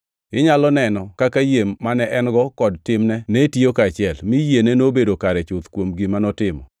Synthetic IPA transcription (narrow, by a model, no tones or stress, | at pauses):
ɪɲalɔnɛnɔkakajemːanɛʔɛnɡɔkɔdtɪmnɛnetjokaːt͡ʃɪɛlmɪjenenobedokaɾɛt͡ʃʊt̪kwomɡɪmanɔtɪmɔ̰